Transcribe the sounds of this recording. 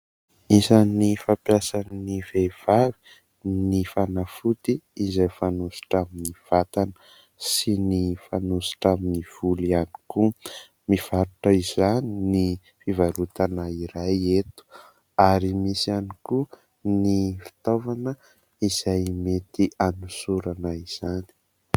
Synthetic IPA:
mizanifapjasanənivev̥avi̥ | nifanafut̪iːzajfanusu̥ʈ͡ʂaminiv̥at̪anə | sinifanusu̥ʈ͡ʂaminiv̥uliani̥ku | miv̥aɾuʈ͡ʂəiz̥anini | fivaɾut̪anaiɾajet̪u̥ | aɾimisianiku | nifi̥t̪ovanə | iz̥ajmet̪iʔanusuɾanaiz̥ani̥

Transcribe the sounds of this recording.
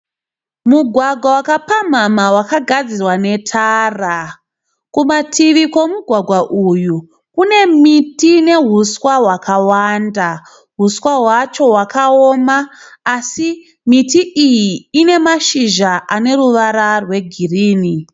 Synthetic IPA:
muɡʱwaɡʱwawakapamamawakaɡʱad͡zirwane̞tʰaːra | kumatʰiʋiko̞muɡʱwaɡʱwaʔuju | kune̞mitine̞ɦuswaɦwakawanda | ɦuswaɦwat͡ʃo̞ɦwakaomaːsi | mitiʔijiːne̞maʃiʒaʔane̞ɾuʋaɾarwe̞ɡʱiriːni

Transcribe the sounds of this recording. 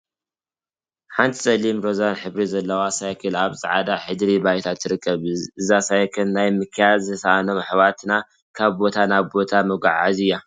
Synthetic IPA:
ħant̪ʰi̥sʼɐlimɾo̞zanħɨβɾizɐlːɐwasajkʰɨlaβsʼɐʕad̪aħɨd̪ɾibajt̪ʰat̪ʰːɨɾɨkʰʼːɐβɨzasajkʰɨlnajmɨkʰɨjad̪zɨsaʔano̞mħβat̪ʰɨna | kʰaβbo̞t̪ʰanaβbo̞t̪ʰamɐɡʷa̰ʕazɨja

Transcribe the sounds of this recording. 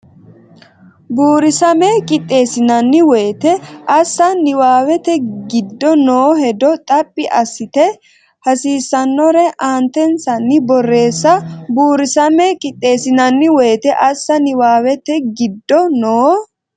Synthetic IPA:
buːɾɪsɐmɛkʼɪt̪ʼːe̞ːsɪnɐnːɪwɛjːt̪ɛʔɐsːɐnɪwaːwɛt̪ɛɡɪd̪ːɔnoːhɛd̪ɔt̪ʼɐpʼːɪʔɐsːɪt̪ɛ | hɐsiːsːɐnːɔɾɛʔaːnt̪ɛnsɐnːɪbɔrːe̞ːsːɐbuːɾɪsɐmɛkʼɪt̪ʼːe̞ːsɪnɐnːɪwɛːt̪ɛʔɐsːɐnɪwaːwɛt̪ɛɡɪd̪ːɔnoː

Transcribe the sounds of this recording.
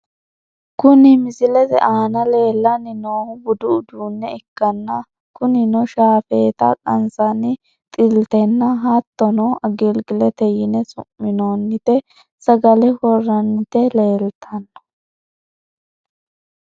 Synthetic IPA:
kʊnɪmɪzɪlɛt̪ɛ̰ʔaːnɐle̞ːlːɐnɪnoːbʊd̪ʊʊd̪uːnːɛɛkːɐnːɐ | kʊnɪnɔʃaːfeːt̪ɐ̰kʼɐ̰nsɐnɪ | t̪ʼɪlt̪ɛnːɐɦat̪ːɔnɔʔɐɡɪlɡɪlɛt̪ɛjɪnɛsʊ̰mːɪnoːnːɪt̪ɛ | sɐɡɐlɛwɔrːɐnːɪt̪ɛle̞ːlt̪ʰɐnːɐ̥

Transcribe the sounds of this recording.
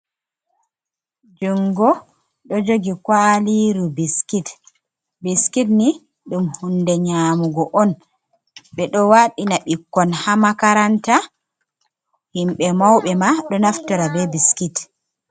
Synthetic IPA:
d͡ʒuŋɡɔ | ɗɔd͡ʒoɡikwaliɾubiskit | biskitni | ɗumhundɛɲaːmuɡɔʔɔn | ɓɛɗɔwaɗinaɓikːɔnhamakaɾanta | himɓɛmawɓɛmaɗɔnaftɔɾabɛbiskit

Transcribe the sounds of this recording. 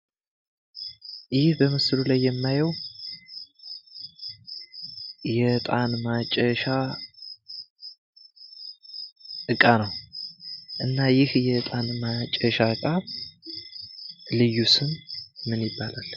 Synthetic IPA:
jɪhbəməsɨlulajːɛmːajəw | jɛt̪ʼanmat͡ʃʼɛʃa | ɨkʼanəw | ʔɨnːajɪhjɛt̪ʼanmat͡ʃʼɛʃaɨkʼa | lɨjːusɨnmɨnjɪbːalal

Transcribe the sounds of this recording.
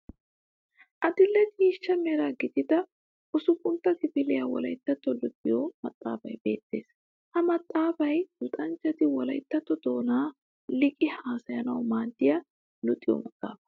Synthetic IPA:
ʔɐd̪ɪlːɛt̪iːʃːɐmeːɾaːɡɪt̪ɪd̪ɐ | ʔʊsʊkʼʊnt̪ːɐkɪfɪlɛjɐwɔ̰lɐ̰jt̪ːɐt̪ːɔlʊt̪ʼːɪjɔmɐt̪ʼːa̰ːfɐjbe̞̰ːt̪ːe̞ːs | hɐmɐt̪ʼːaːfɐjdʊt̪ʼɐnt͡ʃːɛt̪ɪwɔlɐjt̪ːɐt̪ːɔd̪o̞ːnaː | lɪkʼɪhaːsɐjɐnɐwmaːnt̪ːɪjɐ | lʊt̪ʼːɪjɔ̰mɐkʼːa̰ːfɐ̥

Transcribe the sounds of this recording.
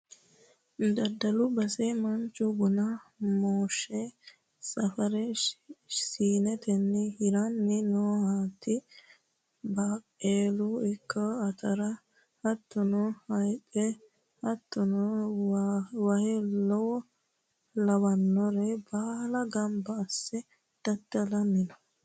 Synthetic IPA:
d̪ɐd̪ɐlʊbɐsɛmɐnt͡ʃːʊɡʊnɐmoːʃːɛ | sʼɐfɐɾɛ | siːnɛt̪ɛnːɪhɪɾanːɪnoːhaːt̪ːɪ | baːkʼːeːluɪkːɐːt̪ʰɐɾɐ | hɐt̪ːʊnɔhɐjtʼɛ | hɐt̪ːʊnɔ | wɐhɛlɔwɔ | lɐwɐnːɔɾɛbaːlɐɡɐmbɐːsːɛ | d̪̥ɐd̪ːɐlɐmɪnɔ

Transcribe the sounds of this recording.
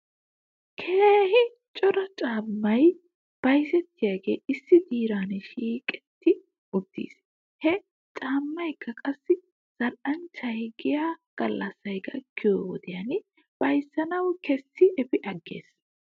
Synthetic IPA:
kʰeːhɪ | t͡ʃʼɔɾɐt͡ʃʼaːmːɐj | b̥ɐjsɛt̪ʰːɪjaːɡe̞̰ːʔɪsːɪd̪iːɾaːnʃiːkʼɛ̥t̪ʰːɪ | ʔʊt̪ːḭːs | hɛ | t͡ʃʼaːmːɐjkʰːɐkʼɐsːɪ | z̥ɐlʔɐnt͡ʃːɐhɪɡɪjaːɡ̥ɐlːɐsːɐjɡɐ̰kʰːɪjowɔd̪ɪjɐn | b̥ɐjsːɐnɐwkɛsːɪʔɛfɪʔɐɡːe̞̰ːs

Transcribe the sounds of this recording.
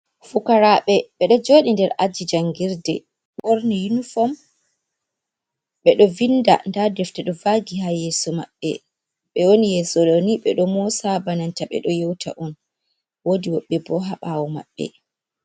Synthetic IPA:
fukaɾaɓɛɓɛɗɔd͡ʒoːɗindɛɾʔad͡ʒid͡ʒaŋɡiɾdɛ̰ | ɓoɾnijunufɔm | ɓɛɗɔvinda̰ndadɛftɛɗɔvaɡihajɛːsɔmaɓːɛ̰ | ɓɛwonijɛsɔɗɔniɓɛɗɔmɔsabanantaɓɛ̰ɗɔjewtʰa̰ʔɔn | wodiwɔɓːɛbɔɦaɓawɔma̰ɓːɛ̰

